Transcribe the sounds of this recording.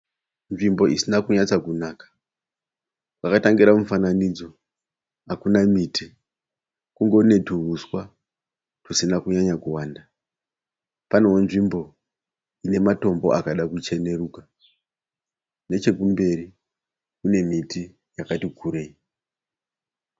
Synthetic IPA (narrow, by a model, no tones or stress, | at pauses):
nʐimbo̞isinakuɲat͡sakunaːkḁ | wakataŋɡiɾamufananid͡zo̞ | akunamiːti | kuŋɡo̞ne̞turuswa | tusinakuɲaɲakuwaːnda | panowonʐimbo̞ | ine̞mato̞mbo̞̰ʔakaɗakut͡ʃe̞ne̞ruːka | ne̞t͡ʃe̞kumbe̞ri | kune̞miti | jakatikʰuːɾei